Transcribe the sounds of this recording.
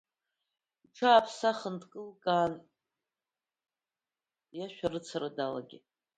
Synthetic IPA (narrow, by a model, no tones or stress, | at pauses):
iʈ͡ʂʰaːpʰsaχəndkʼɨlkʼaːn | jaʃʷᶣarɨt͡sʰaɾadala̰ɡʲɪ